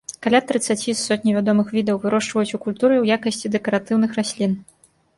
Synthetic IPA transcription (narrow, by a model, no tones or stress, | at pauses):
kalʲat̪ɾɨt̪sːat͡sʲisɔt̪̚ʲnʲivʲad̪ɔmɨxvʲid̪ɐwvɨɾɔʂt͡ʂvɐjut͡sʲukulʲt̪uɾɨwjakɐsʲt͡sʲid̪ɛkɐɾat̪ɨwnɨxɾasʲlʲin